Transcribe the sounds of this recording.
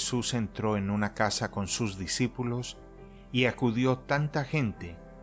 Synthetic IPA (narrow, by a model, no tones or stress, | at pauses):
suse̞nt̪ɾo̞e̞nunakasako̞nsuzðisipulo̞s | iakuðjo̞t̪ant̪axe̞nt̪e̞